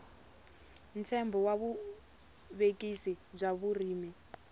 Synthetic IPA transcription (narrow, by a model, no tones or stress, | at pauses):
ntʰɛmbɔwaβu | βekʼisib͡ʐaβuriːmɛ